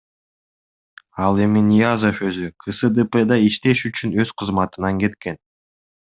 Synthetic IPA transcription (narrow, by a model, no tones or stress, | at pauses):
ɑlˠe̞minʲijazofø̞zykʰɨsɨd̪əped̪ɑiʃt̪e̞ʃyt͡ʃynø̞z̥qʰɯzmɑt̪ɯnɑŋke̞t̪ke̞n